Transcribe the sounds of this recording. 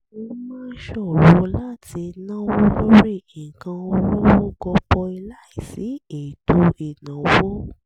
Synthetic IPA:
o˧mãː˦ʃɔ˦˨wo˨˦la˦ti˧nã˦wo˦lo˦ɾi˦˨i˨kã˧o˧lɔ˦wo˦ɡɔ˧k͡pɔ˧i˧la˦i˦˨si˨˦e˨to˧i˨nã˨˦wo˦

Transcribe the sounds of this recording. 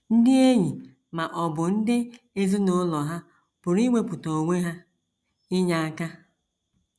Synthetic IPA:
n̩˦dɪ˦e˦ɲi˨ | ma˨ʔɔ˨bʊ˨n̩˦dɪ˦ | e˦zi˦nʊ˨˦lɔ˨ɦa˦ | b̥ʊ˨ɾi˦ŋʷe˦pʊ˨to˨ŋʷe˦ɦa˦ | ɪ˦ɲa˦a˦ka˦

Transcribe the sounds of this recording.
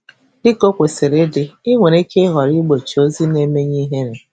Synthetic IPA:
dɪ˦ko˦kʷe˨se˨ɾe˦dɪ˨i˦ŋʷe˨ɾe˦ke˦ɦɔ˨ɾi˦ɡ͡bo˨t͡ʃi˨o˦zi˦ne˦me˦ɲi˦ɦe˦ɾe˨

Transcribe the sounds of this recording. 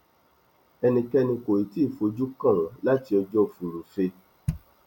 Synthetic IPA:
ɛ˧nĩ˨kɛ˧nĩ˧ko˨ɾi˨ti˦˨fo˧d͡ʒu˦kã˦˨la˦ti˧ɔ˧d͡ʒɔ˦˨fu˨ɾũ˨fe˧

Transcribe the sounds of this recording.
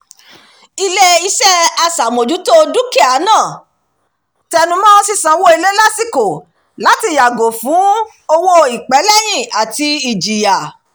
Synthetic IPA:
i˧le˦i˦sɛ˦a˧sa˨mo˨d͡ʒu˨˦to˦du˦ki˦a˨˦nãː˦˨ | tɛ˧nũ˧˦mɔ̃˦ɔ˧si˧sã˨˦wo˦i˧le˦la˦si˦˨ko˨ | la˨˦ti˧˨ja˨ɡo˨fũ˨˦ | o˧wo˧i˨k͡pɛ˨˦lɛ˦j̃ĩ˦˨a˨ti˧i˨d͡ʒi˨ja˨

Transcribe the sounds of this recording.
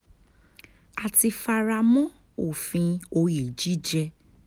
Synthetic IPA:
a˨ti˧fa˧ɾa˧mɔ̃˦ | o˦˨fĩ˧o˧ji˨d͡ʒi˨˦d͡ʒɛ˧

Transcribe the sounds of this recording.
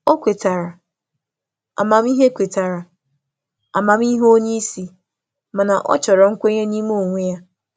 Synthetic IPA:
o˦kʷe˨ta˨ɾa˨ | a̰˨ma˨m˦i˦ɦe˦kʷe˨ta˨ɾa˨ | a̰˨ma˨m˦i˦ɦo˦ɲe˦i˦si˨ | ma˨na˨ʔɔ̰˦t͡ʃɔ˨ɾɔ˨ŋ̩˦kʷe˦ɲe˦ni˦mo˦˨ŋʷe˦ja˦

